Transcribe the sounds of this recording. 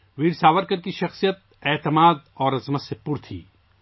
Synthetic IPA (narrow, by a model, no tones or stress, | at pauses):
ʋiːɽsaːʋəɾkɐɾkiʃɐxsijət̪̚ɛːt̪ɪmaːd̪ɔːɾɐzmɐsepʊɾt̪ʰḭː